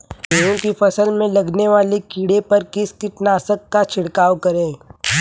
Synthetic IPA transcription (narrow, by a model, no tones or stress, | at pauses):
oːɦõkifɐsəlmẽlɐɡneʋaːlikiːɽepɐɾkɪskɪʈnaːsəkːat͡ʃʰɪɽkaːwkɐɾẽː